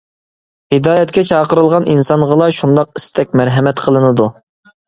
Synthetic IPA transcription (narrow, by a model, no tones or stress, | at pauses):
hɨd̪ɑːjɛt̪kʲɛt͡ʃʰɑːqəɾɨlˠʁɑnʔinsɑnʁəlˠɑʃund̪ɑqi̥st̪ʰɛkʲmæɾɦɛmɛt̪qʰəlˠɨnɨd̪u